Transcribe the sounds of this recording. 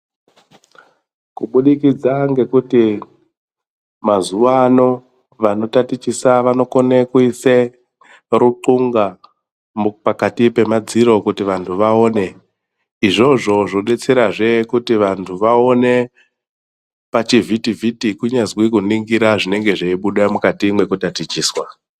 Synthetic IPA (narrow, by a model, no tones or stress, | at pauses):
kuɓuɗikid͡zaŋɡe̞kuti | mazuʋano̞ | ʋano̞tatit͡ʃisaʋano̞ko̞nekuise | ruǃuŋɡa | mpakatipe̞mad͡ziɾo̞kutiʋantʰuʋao̞ːne̞ | iʐo̞ʐo̞ʐoɗe̞t͡se̞ɾaʐe̞kutiʋantʰuʋao̞ne̞ | pat͡ʃivʱitivʱitikuɲazwikuniŋɡiɾaʐine̞ŋɡe̞ʐeiɓuɗamukatimwe̞kutatit͡ʃiːswa